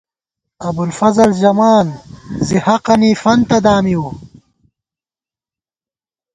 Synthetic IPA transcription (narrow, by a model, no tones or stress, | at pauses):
ɐbulfɐzɐlʑɐmaːnzihɐqɐniːfɐnt̪ɐd̪aːmiu